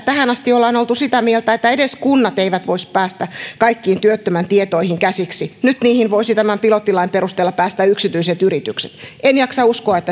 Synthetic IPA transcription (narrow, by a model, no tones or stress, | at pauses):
t̪æhænɑst̪iolːɑinolt̪usit̪æmielt̪æet̪ːæeɾeskunːɑt̪eiʋæt̪ʋoispæːst̪ækɑikːiːnt̪yøt̪ːømænt̪iet̪oihiŋkæsiksinyt̪niːhinʋoisit̪æmæmpilot̪ːilɑimpeɾust̪eːlːɑpæːst̪æyksit̪yiset̪yrit̪ykset̪ʔenjɑksɑuskoɑet̪ːæ